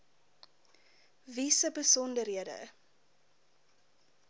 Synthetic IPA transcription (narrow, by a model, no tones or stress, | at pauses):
visəbəsɔndərɦiədə̰